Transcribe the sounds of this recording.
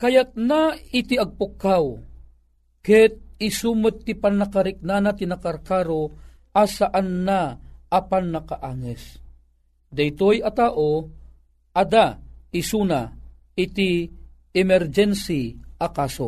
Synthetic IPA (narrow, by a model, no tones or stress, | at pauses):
kɐjat̪̚nait̪iɐɡ̚pʊkːaw | kɛt̪̚isuːmət̪̚t̪ːipanakaɾɪk̚nanat̪inakaɾkaɾo | ʔasaʔanːaːpanːɐkaʔaːŋɛs | d̪ɐjt̪ojɐt̪aːʔo | ɐd̪aisuːna | ɪt̪i | ɛmɛɾd͡ʒɛnsiʔɐkaːso